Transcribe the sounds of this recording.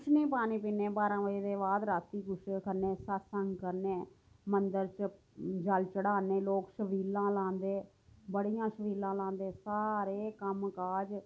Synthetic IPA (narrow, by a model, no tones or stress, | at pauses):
ʊʃnĩːpaːnĩːpiːneːbaːɾãːʋəeːd̪eːʋaːd̪ɾaːt̪ːiːkʊʃkəɾneːsəsəŋɡkəɾneː | mənd̪əɾt͡ʃ | d͡ʒəlt͡ʃəɽaːneːloːkʃəʋiːlãːlãːnd̪eː | bəɽiːjãːʃəʋiːlãːlãːnd̪eːsaːɾeːkəmkaːd͡ʒ